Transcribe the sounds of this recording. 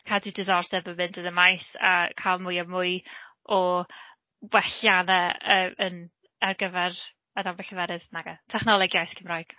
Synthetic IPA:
kʰadɪwdɪðɔrdɛbəmɪndənəmajsa̰kʰalˠmʊjamʊj | ɔ | wɛɬjanɛəːmən | ɛrɡəvɛr | ənabɛɬəvɛɾɪðnaɡatʰɛχnɔlˠɛɡjajθkʰɪmrajɡ̥

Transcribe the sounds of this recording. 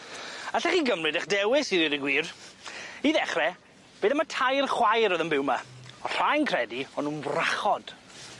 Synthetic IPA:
aɬaχiːɡəmrɨdaχdɛwɪsiɾiɾiɡwiːr | iðɛχrɛ | b̥eːðamatʰajrχwajɾɔðəmbɪwmaɔr̥ajnkʰrɛdiɔnuːnvraχɔd̥

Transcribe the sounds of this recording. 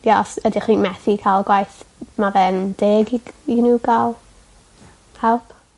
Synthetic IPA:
jaʔɔsədiχiːnmɛθikʰalˠɡwajθmavɛnd̥eːɡiinuːɡalˠ | hɛlˠp

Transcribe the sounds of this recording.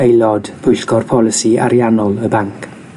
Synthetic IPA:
ejlˠɔdb̥ʊjɬɡ̥ɔrpʰɔlˠɪsia̰ɾjanɔlˠəbaŋkʰ

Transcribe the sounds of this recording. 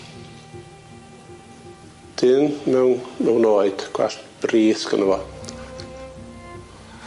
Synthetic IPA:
d̥ɪnmɛwnmɛwnoːɨd̥ɡ̥wɛ̰ɬb̥riːθɡə̰nəvɔ

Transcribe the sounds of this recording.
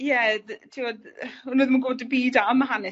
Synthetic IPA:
jɛtʰiwɔdunoːðmunɡodəbiːdamːaɦanɛ

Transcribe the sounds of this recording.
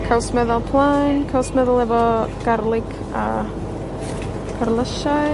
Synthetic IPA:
kʰawsmɛðɔlˠpʰlˠankʰawsmɛðʊlˠɛvɔɡ̥arlˠɪɡʰ | a̰ | kʰarlˠəʃa

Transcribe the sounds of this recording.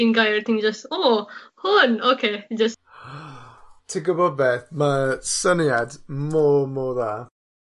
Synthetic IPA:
ɪnɡajrt̪ɪŋd͡ʒəstoːhʊnokʰeːd͡ʒəs | tʰiɡəbɔd̚beːθmasənjadmɔmoðaː

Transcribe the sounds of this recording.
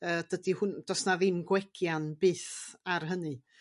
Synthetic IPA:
əːd̥ədihʊnd̥ɔsnaðɪnɡwɛɡʰjanbɨːθarɦənɨ

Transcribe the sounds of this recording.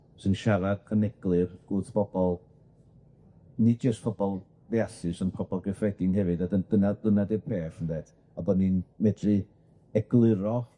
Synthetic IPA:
sɨnʃaɾadʰənɛɡ̥lˠɨrɡ̥uːθpʰɔbɔlˠ | nid͡ʒəstpʰɔbɔlˠ | veasɨsənpʰɔbɔlˠɡɛfɛdɪnhɛvɨdadədənad̥ənadepʰeːfənded | abɔninmɛdrɨ | ɛɡlˠɪɾɔ

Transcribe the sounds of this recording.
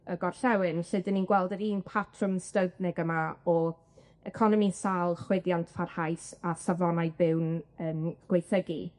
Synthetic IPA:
əɡɔrɬɛwɨnɬɨdənːinɡwɛlˠdəɾiːnpʰatʰrʊmstəbnɛɡəmaɔ | ɛkʰɔnɔmisalˠχwɪdjantʰfʰarhajsasavɔnajbɪwnəːmɡ̥wejθəɡi

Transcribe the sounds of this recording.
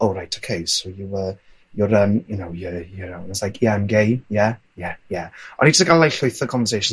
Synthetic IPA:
oɾajtʰokʰejsowjuə | jʊɾəmjunowjəjəɾawnəslajkʰiamɡejjɛ | jɛjɛɔnid͡ʒəstɡalajɬʊɨθəkʰɔɱvəs̬ejʃə

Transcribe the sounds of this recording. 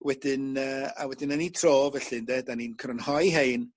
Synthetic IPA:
wɛdɪnəa̰wɛdɪnanitʰroːvəɬɪndɛdaninkʰɾənhɔjɦejn

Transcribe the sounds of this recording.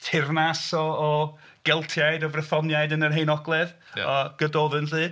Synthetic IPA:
tʰɪrnasɔɔ | ɡ̥ɛlˠtʰjajdɔvrəθɔnjajdənərɦejnɔɡlˠɛð̰ | ɔɡ̥ədoːðɨnɬɨː

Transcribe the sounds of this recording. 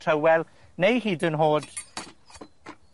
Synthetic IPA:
tʰəwɛlˠ | nejɦiːdənɦoːd̥

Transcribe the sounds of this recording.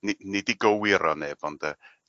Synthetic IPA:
ninɪdiɡəwɪɾɔneːb̥ɔnd̥ə

